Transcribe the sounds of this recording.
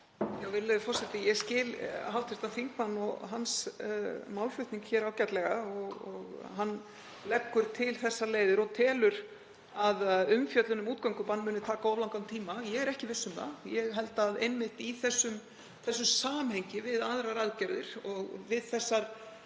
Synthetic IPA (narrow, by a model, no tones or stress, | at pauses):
jawvɪlːɪðfɔr̥sɛt̪ɪjɛscɪːlɦawt̪ʰɪɾ̥st̪anθiŋk̚manːɔɣɦans | mawlfʏht̪niŋkçɛːɾawcat̪lɛɣaɔɣɔɣɦanː | lɛkːʏɾ̥t̪ʰɪlθɛsːaleːjðɪɾɔt̪ʰɛːlʏɾ | aðʏmfjœt̪lʏnʏmuːt̪̚kœŋkʏpanːmʏːnʏt̪ʰaːkaɔvlawŋkant̪ʰiːmajɛɣɛɾɛhcɪvɪsːʏma̰jɛɣɦɛlt̪aðejnmɪht̪iθɛsːʏm | θɛsːʏmsaːmhɛjɲcɪvɪðaðɾaɾaðcɛɾðɪɾ̥ɔɣvɪðθɛsːaɾ̥